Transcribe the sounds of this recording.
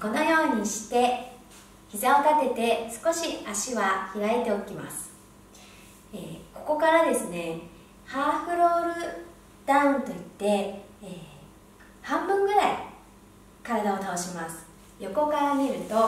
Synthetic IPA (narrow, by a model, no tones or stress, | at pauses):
ko̞no̞jo̞ːɲ̟iɕi̥t̪e̞ | çizao̞t̪at̪e̞t̪e̞sɨ̥ko̞ɕiaɕiβaçiɾae̞t̪e̞o̞kʲima̰sɨ̥ | eko̞ko̞kaɾad̪e̞sɨne̞ | haːɸɯ̟ɾo̞ːɾɯ̟ | d̪̥ãnt̪o̞it̪ːe̞ | eː | hãmbɯ̟̃ŋɡɯ̟ɾaḭ | kaɾad̪ao̞t̪ao̞ɕimasɨ̥ | jo̞ko̞kaɾame̞ɾɯ̟t̪o̞